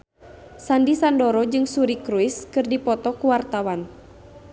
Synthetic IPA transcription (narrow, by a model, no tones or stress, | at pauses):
sandisandɔɾɔd͡ʒɨŋsuɾikɾuiskɨrdipɔt̪ɔkuwart̪awan